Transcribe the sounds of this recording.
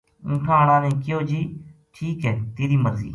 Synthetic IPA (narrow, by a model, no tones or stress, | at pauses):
ʊ̃ːʈʰãːɽ̃ãːnẽːkɪjoːd͡ʒiːʈʰiːkɛːt̪eːɾiːməɾzḭː